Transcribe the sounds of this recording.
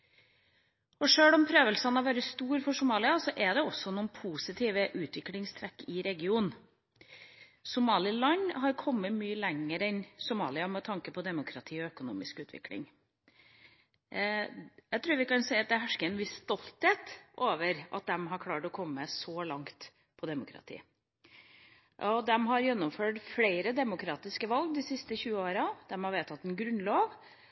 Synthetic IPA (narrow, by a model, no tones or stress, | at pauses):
ɔʂøːlɔmpʰɾøːʋəlsɑnɑʋæːɾəst̪uːɾfɔʂʊmɑːlɪɑsɔʔɛd̪ɛɔsːɔnuːnpʰuːsɪt̪ʰiːʋəʔʉːt̪ʋɪklɪŋst̪ʰɾɛkːɪɾɛɡɪuːn | sʊmɑːlɪlɑɲɦɑɾkʰɔmːəmyːəlɛŋːəɾɛnsʊmɑ̰ːlɪɑmɛt̪ʰɑŋkəpʰɔd̪ɛmʊkʰɾɑt̪ʰiːɔœkʊnṵːmɪskʉːt̪ʰʋɪ̰klɪ̰ŋ | jæɪt̪ʰɾʉːɾʋɪkɑnsɛɪɑt̪d̪æɦæʂkəɛnʋɪsːt̪ɔlt̪heːt̪ʔoːʋəɾʔɑ̰t̪̚d̪ɛmɦɑɾkʰlɑːʈɔkʰɔmːəsɔlɑŋt̪ | pʰɔd̪ɛmʊkʰɾɑ̰t̪ʰḭː | ʔɔd̪ɛmɦɑɾjɛnːɔmføːʈfleɪɾəd̪ɛmʊkɾɑːt̪ɪskəʋɑlɡ̚d̪ɪsɪst̪əçʉːəoːɾɑd̪̥ɛmhɑɾʋeːt̪ʰɑt̪ːɛnɡɾʉnlɑːʋ